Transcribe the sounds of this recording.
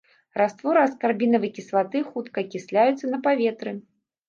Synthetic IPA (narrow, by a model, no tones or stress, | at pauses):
rast̪vɔɾɨɐskarbʲinɐvɨkʲislˠat̪ɨxut̪kɐkʲisʲlʲajut̪sːɐnɐpavʲɛt̪ɾɨ